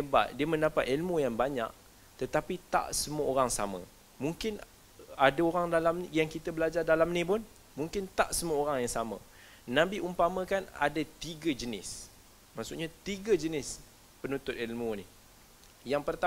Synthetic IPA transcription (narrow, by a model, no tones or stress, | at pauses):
eba̰ʔ̚diəmə̃ndapat̪̚ilmujaŋbaɲa̰ʔ | t̪ət̪apit̪a̰ʔsəmuəoɾaŋsa̰mə̰̃ | muŋkɪn | adaoɾaŋdalamjaŋkit̪abəlad͡ʒardalamnĩpʊn | muŋkɪnt̪a̰ʔsəmuəoɾaŋjaŋsamã̰ | nãbiʔumpamə̃kana̰dat̪iɡad͡ʒənɪ̰s | maʔsʊʔɲat̪iɡad͡ʒənɪs | pənũnt̪ʊt̪ilmuni | jaŋpərt̪a